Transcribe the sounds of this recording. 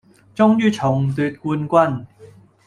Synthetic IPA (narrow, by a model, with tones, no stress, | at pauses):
t͡sʊ˥ŋjyː˥t͡sʰʊ˨˩ŋt̪yː˧t̚kuː˧nkʷɐ˥n